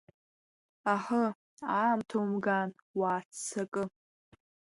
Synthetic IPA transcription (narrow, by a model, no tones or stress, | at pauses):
aħə | aːmtʰowmɡan | waːt͡sːakʼɨ